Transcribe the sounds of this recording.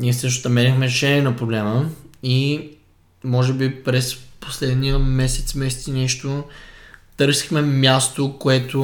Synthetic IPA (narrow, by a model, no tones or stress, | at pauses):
niɛsɤʃt̪o̥st̪ɐmɛɾʲixmɛɾɛʃɛnʲɛnɐpɾoblɛməi | mɔʒɛbipɾɛspo̥slɛd̪nijəmɛsɛ̥t̪smɛsɛ̥t̪sinɛʃt̪o | t̪ɤɾsi̥xmɛmʲjast̪okoɛt̪o